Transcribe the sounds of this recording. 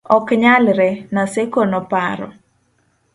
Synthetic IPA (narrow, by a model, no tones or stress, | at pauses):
ɔkɲalɾɛnasekonɔpaɾɔ̰